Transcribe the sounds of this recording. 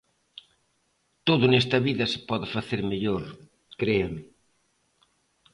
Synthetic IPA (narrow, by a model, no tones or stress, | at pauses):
t̪oðʊnest̪ɐβiðɐsɪ̥pɔðɪfaθeɾmeʎoɾ | kɾeamɪ